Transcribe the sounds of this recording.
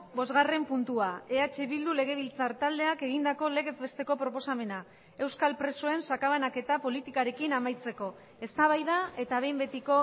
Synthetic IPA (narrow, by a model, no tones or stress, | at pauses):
bo̞zɣare̞mpunt̪uae̞at͡ʃe̞βild̪ule̞ɣ̞e̞β̞ilt͡saɾt̪ald̪e̞ake̞ɣ̞ind̪ako̞le̞ɣe̞zbe̞st̪e̞ko̞pɾo̞po̞same̞na | e̞wskalpɾe̞soe̞nsakaβanake̞t̪apo̞lit̪ikaɾe̞kinamajt͡se̞ko̞ | e̞st̪aβ̞ajðae̞t̪aβ̞e̞jmbe̞t̪iko̞